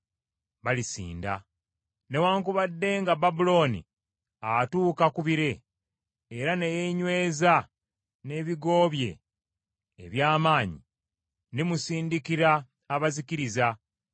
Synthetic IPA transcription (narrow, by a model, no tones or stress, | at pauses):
βalisḭːnda̰ | ne̞waːŋkuβadːe̞ŋɡababulo̞ːnḭ | atuːkakuβiɾe̞ː | ɾanejeɲwe̞ːza | ne̞ːβiɡo̞ːβje̞̰ː | βjaːmaːɲḭ | nimusiːndikiɾaː | βaziciɾiza